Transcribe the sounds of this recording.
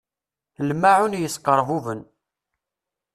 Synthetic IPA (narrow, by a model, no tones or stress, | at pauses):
lmaʕunjəsqəɾˤvuvən